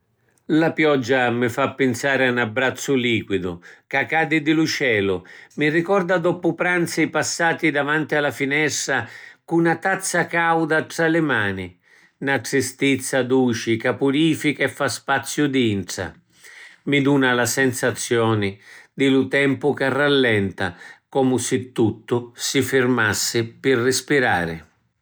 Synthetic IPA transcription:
lapjɔd͡ʒːamɪfapːɪnsaːɾɪanabːɾat̪sːʊliːkwid̪ʊkakːaːd̪ɪd̪ɪlut͡ʃɛːlʊmirikɔrd̪ad̪ɔpʊpɾant̪sipasːaːt̪id̪avant̪ialafinɛst̪ɾakunat̪at̪sːakawd̪aʈɾalɪmaːni | naʈɾɪst̪it̪sːad̪uːt͡ʃikapuɾiːfikɛfːaspat̪sːjʊd̪iintɾa̰ | mid̪uːnalasɛnsat̪sːjɔːnɪd̪ɪlʊt̪ɛmpʊkarːalːɛnt̪a̰kɔmʊsɪt̪ːut̪ːʊsɪfɪrmasːɪpɪrːɪspiɾa̰ːɾɪ̰

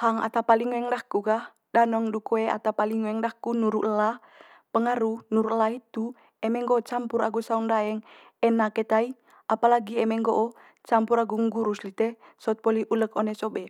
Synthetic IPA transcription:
haŋa̰t̪apaliŋwɛŋdahkukah | danɔŋdukoɛa̰t̪apaliŋwɛŋdahkunuɾuʔla | pəŋaɾunuɾuʔlait̪u | ɛmɛŋɡoːt͡ʃampuɾaɡusaundaɛŋ | ɛnakɛt̪ai | apalaɡiɛmɛŋɡoʔɔ | t͡ʃampuɾaɡuŋɡuɾuslit̪ɛsɔɔt̪̚pɔliʔuləkɔnɛsɔbɛ

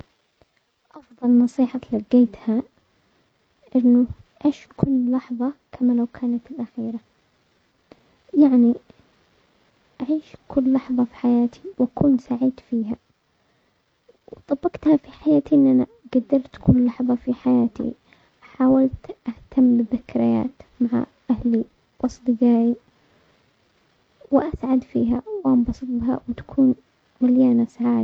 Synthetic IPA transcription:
ʔɑfðˤɑlnɑsˤiːħɑlaɡeːt̪ha | ʔɪnːʊ | ʔaːʃkʊlːlɑħðˤɑkʰamalawkʰaːnat̪ɪlʔaxiːɾa | jaʕni | ʔaʕiːʃkʰʊlːɑħðˤɑfi̥ħajaːt̪ʰiwʔakuːnsaʕiːd̪fiːɦa | wt̪ˤɑbːɑqt̪hafiħajaːt̪iʔɪnːʔana | ɡad̪ːɑɾˤt̪kʰʊlːɑħðˤɑfiħajaːt̪ḭ | ħaːwalt̪ʔaht̪ʰamːbɪðɪkɾɪja̰ːt̪maʕa̰ʔahli | bɑsˤd̪ˤɨɡaːji | wɪʔasʕad̪fiːɦawwʔambɑsˤɨt̪̚ˤbha̰wɪt̪ḁkʰuːn | maljaːnasaʕaːd̪

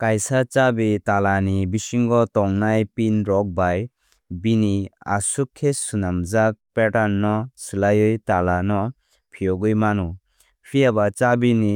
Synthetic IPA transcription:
kajsat͡ʃabitalanibisiŋɡɔtɔŋnajpinɾɔk̚baj | binia̰sukʰːesunamzak̚peʈanːɔsɯlajɯjtalanɔ | pʰijɔɡɯjmanɔ | pʰijabat͡ʃabini

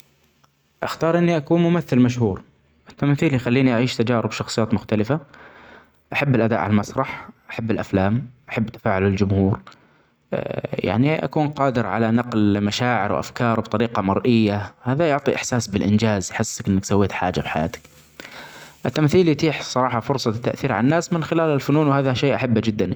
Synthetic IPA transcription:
ʔaxt̪ɑːɾˤʔɪnːiʔakuːnmʊmaθːɪlmaʃhuːɾ | ʔɪt̪ːamθiːlijxalːiːniʔaʕiːʃt̪ad͡ʒaːɾɪbʃɑxsˤɨjaːt̪mʊxt̪alɪfa | ʔaħabːɪlʔad̪a̰ːʔʕa̰lalmɑsˤɾˤɑħʔaħabːɪlʔaflaːmʔaħabːt̪ḁfaːʕalɪld͡ʒʊmhuːɾ | ja̰ʕniʔa̰kuːnqɑːd̪ɪɾʕa̰lanɑqlmaʃaːʕɪ̰ɾwʔa̰fkɑːɾˤbt̪ˤɑɾiːqɑmɑɾˤʔɪjːahaːðajʊʕt̪ˤiʔɪħsaːsbɪlʔɪnd͡ʒaːzħɪsːakʔɪnːaksawːeːt̪ħa̰ːd͡ʒafħaja̰ːt̪ɪ̥k | ʔɪt̪ːamθiːljt̪iːħsˤɑɾˤɑːħɑfʊɾsˤɑt̪ːaʔθiːɾʕa̰nːaːsmɪnxɪlaːlɪlfʊnuːnwhaːðaʃeːʔaħabːd͡ʒɪd̪ːani

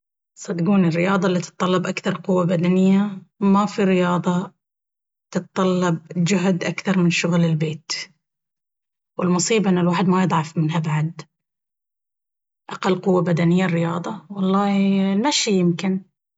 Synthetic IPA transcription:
sˤɑt̪ɡuːnɪrːɪjɑːd̪ˤɑlːit̪ɨ̥t̪ˤːɑlːɑbʔakθɑɾˤqʊwːabad̪anɪjːamafiɾɪjɑːd̪ˤɑ | t̪ɨt̪t̪ˤːɑlːɑb̚d͡ʒʊɦd̪ʔakθɑɾˤmɪnʃʊɣlɪlbeːt̪ | wɪlmʊsˤiːbaʔɪnːalwaːħɪd̪majɨd̪ˤʕɑfmɪnɦabaʕad̪ | ʔaqalːqʊwːabad̪anɪjːarːɪjɑːd̪ˤɑwɑlˤːɑːnaʃijɪmkɪn

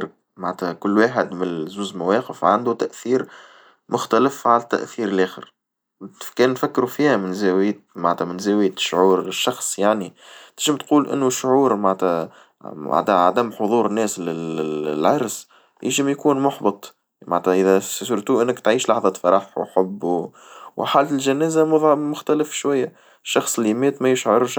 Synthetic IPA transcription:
ɾ | maʕt̪hækʊlːwaːħɪd̪mɪnzuːzmæwɛːqəfʕand̪ut̪æʔθiːɾ | mʊxt̪æləfʕalæt̪ːæ̰ʔθiːɾlʔæːxɪ̰ɾ | kɛːnːfækːɾufiːhæmɪnzæːwjmaʕnt̪hæmɪnzæːwɪjːʃːʕuːɾʃːɑxsˤjaʕnit̪ɪʒəmt̪quːlʔɪ̰nːuʃːʕuːɾmaʕnt̪hæ | ʕa̰d̪æʕa̰d̪æmːħoðˤuːɾnːɛːslɪlɪlʕɑɾˤs | jɪʒɪmjkuːnmʊħbət̪ˤ | ma̰ʕt̪æʔɪðɛsʊɾt̪uːʔɪnːɪkt̪ʕiːʃlɑħðˤɑfɑɾˤɑħwħʊbːu | wʔħaːlt̪ɪlʒænɛːzæmʊðˤmʊxt̪ælɪfʃwæjːæ | ʃːɑxsˤɪlːimɛːt̪mæjɪʃʕʊɾʃ

